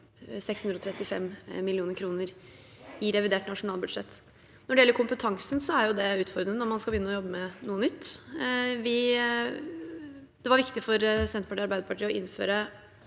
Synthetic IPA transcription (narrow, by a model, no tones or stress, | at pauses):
sɛksʉnd̪ɾɔt̪ʰɾɛt̪ːɪfɛmmɪlɪuːnəɾkʰɾuːnəɾ | ɪɾɛʋɪd̪eːʈnɑʂʊnɑːlbʉd̪ʂɛt̪ː | nɔɖɛjɛlːəɾkʰʊmpət̪ʰɑŋsənsɔæɾjʊd̪ɛʉːt̪fɔɾd̪ɾənənɔɾmɑnskɑbəjʏnːəɔjɔbːəmɛnuːənʏt̪ː | ʋɪ | d̪̥ɛʋɑɾʋɪkt̪ɪfɔɾsɛnt̪pʰɑʈiːɑɾbæɪd̪əpʰɑʈʰiːɔʔɪnːfø̰ːɾə